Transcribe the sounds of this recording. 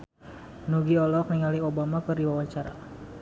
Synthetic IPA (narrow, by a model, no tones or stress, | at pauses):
nuɡiɔlɔk̚niŋaliobamakɨrdiwawaɲt͡ʃaɾa̰